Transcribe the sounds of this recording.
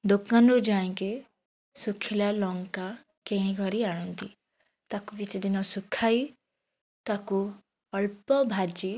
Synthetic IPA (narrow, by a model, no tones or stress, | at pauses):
d̪okanɾud͡ʒaẽke | sukʰilalɔŋka | keɽ̃iɡʱɔɾiaɽ̃ɔnt̪i | t̪akubit͡ʃd̪inɔsukʰai | t̪aku | ɔɭpɔbʱad͡ʒi